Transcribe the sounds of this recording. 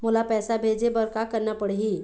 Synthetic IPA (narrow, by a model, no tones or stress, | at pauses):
mulapɛsabʱed͡zebəɾkakəɾnapəɽɦiː